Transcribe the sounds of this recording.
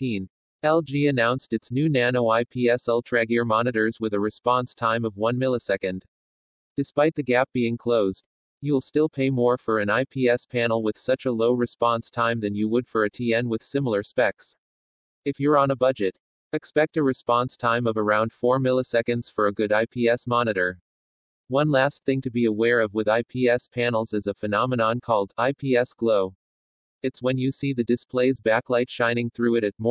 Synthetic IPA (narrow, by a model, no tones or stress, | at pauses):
ĩn | ɛlˠd͡ʒiɨnãʊ̃nstɨtsnʉnænoʊaɪpʰiɛsɛlˠtʰɹ̥æɡɪɹmɑnɨɾə˞zwɨðɨɹɨspɑ̃nstʰãɪ̃mʌvwʌ̃nmɪlˠisɛkɨ̃nd | d̥ɨspaɪt̪̚ðɨɡæp̚b̥iɪ̃ŋkʰl̥oʊzd | jɨwəlˠstɪlˠpʰeɪmɔɹfə˞ɨ̃naɪpʰiɛspʰænl̩ˠwɨð̥sʌt͡ʃəloʊɹɨspɑ̃nstʰãɪ̃mðɨ̃njɨwəd̥fə˞ɨtʰiɛ̃nwɨð̥sɪ̃ml̩ˠə˞spɛks | ɨfjə˞ə̃nəbʌd͡ʒɨɾ | ɨkspɛk̚tɨɹɨspɑ̃nstʰãɪ̃mʌvə˞ãʊ̃nd̥fɔɹmɪlˠisɛkɨ̃ndz̥fə˞ɨɡʊɾaɪpʰiɛsmɑnɨɾə˞ | wʌ̃nlæst̪̚θɪ̃ŋtʰɨbiəwɛɹʌvwəðaɪpʰiɛspʰænl̩ˠzɨzəfɨnɑmənɑ̃nkʰɔlˠdaɪpʰiɛsɡ̥loʊ | ɨtswɨ̃njɨsiðɨdɨspʰleɪzbæklaɪtʃãɪ̃nɪ̃ŋθɹʉɨɾɨt̚m